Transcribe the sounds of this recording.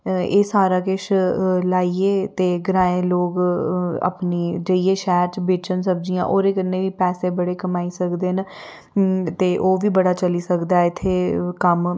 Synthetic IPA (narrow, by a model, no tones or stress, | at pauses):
eːsaːɾaːkɪʃlaːieːt̪eːɡəɾaːẽːloːɡə̰pniːd͡ʒəieːʃɛːɾt͡ʃbeːt͡ʃənsəb̚d͡ʒijã̰ːʔoːɾeːkənːeːʋiːpɛːseːbəɽeːkəmaːiːsəkd̪eːn | t̪eːʔoːʋiːbəɽaːt͡ʃəliːsəkd̪aɛɪt̪ʰːeːkəm